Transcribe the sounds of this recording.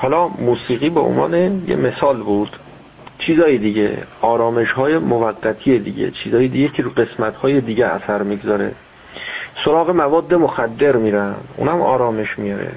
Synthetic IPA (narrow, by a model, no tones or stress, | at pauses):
hɒːlɒːmuːsiːɣiːbeʔo̰nvɒ̰ːnejḛme̞sɒːlbuːd̪̥ | t͡ʃʰiːzɒːjed̪iɟḛɒːɾɒːmeʃhɒːjemovæɢːæt̪ʰiːjed̪ḭɟḛt͡ʃʰiːzɒːjed̪iɟecʰeɾuɢe̞smæt̪hɒːjed̪iːɟeæ̰sæɾmiːɡzɒːɾe̞̰ | soɾɒːɣe̞mævɒːd̪ːemoxæd̪ːe̞ɾmiːɾænd̪ʔṵːnæmɒ̰ːɾɒːme̞ʃmijɒɾḛ